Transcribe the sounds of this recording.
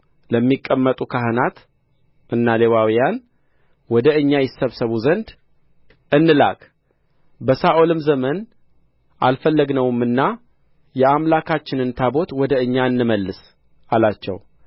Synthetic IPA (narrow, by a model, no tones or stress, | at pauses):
ləmːikʼːəmːət̪ʼukʰaɦənat̪ | ʔɨnːale̞wawijan | wɔd̪əɨɲːajɪsːəβsəβuzənd̪ | ɨnːɨla̰kʼ | bəsaʔo̞lɨmzəmən | ʔalfəlːəɡnəwmːɨnːa | jɛamlakʰat͡ʃːɪnɨnt̪ʰabo̞t̪wɔd̪əɨɲːaɨnːɨməlːɨs | ʔalat͡ʃːɛ̰w